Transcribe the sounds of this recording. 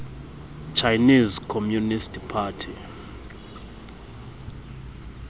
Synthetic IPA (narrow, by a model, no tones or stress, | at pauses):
t͡ʃʰajnizkʰomjunistʰpʰaːtʰi